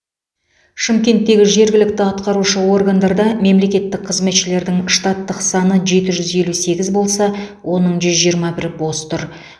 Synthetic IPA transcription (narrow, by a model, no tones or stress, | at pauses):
ʃɪmkʲe̞nt̪ːe̞ɡʲɪʒe̞ɾɡʲɪlɪk̚t̪ɪɑt̪qɑɾuʃəwo̞rɡand̪ɑɾd̪ɑme̞mle̞kʲe̞t̪ːɪk̚qʰəzme̞t̪ʃɪle̞ɾd̪ɪŋʃt̪ɑt̪ːəqsɑnəʒe̞t̪ɪʒʏzje̞luse̞ɡʲɪzbo̞lˠsɑwʔo̞nəɴʒʏzʒijəɾmɑbɪɾɪbo̞st̪ʊɾ